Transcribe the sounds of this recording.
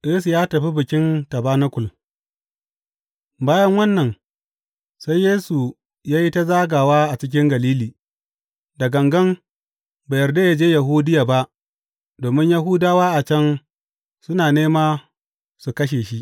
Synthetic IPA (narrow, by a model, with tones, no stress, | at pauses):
jeː˦s̬u˨jaː˦tɐ˨ɸi˦bɪ˨kʲɪ˦ntɐ˨baː˦nɐ˦kʷʊ˨l | baː˦jɐ˦ŋwɐ˦nːɐ˨n | sa˦jːeː˦su˨ | jaː˦ji˦ta˦zaː˦ɡaː˨waː˦ʔa˨t͡ʃɪ˦k̬ʲɪ˦ŋɡɐ˨liː˦liː˨ | da˨ɡɐ˨ŋɡɐ˦m | ba˨jɐ˨rda˦ja˨d͡ʒeː˦ja˨ɦuː˦dɪ˦jaː˨ba˦ʔ | doː˨mɪ˦ɲja˦ɦu˦daː˦waː˦ʔa˨t͡ʃɐ˦n | sʊ˦naː˨neː˦maː˦ | su˨kɐ˦ʃ̬eː˨ʃi˦ʔ